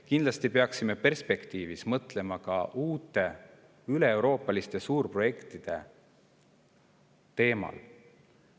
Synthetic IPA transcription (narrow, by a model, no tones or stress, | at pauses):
kind̪lɑst̪ipe̞ɑksime̞pe̞rspe̞kt̪iːvismɤt̪le̞mɑkɑ̰ʔuːt̪ːˑe̞ | yle̞ːwɾo̞ːpːˑɑlist̪esuːrpro̞je̞kt̪id̪̥e̞̰ | t̪e̞ːmɑ̰l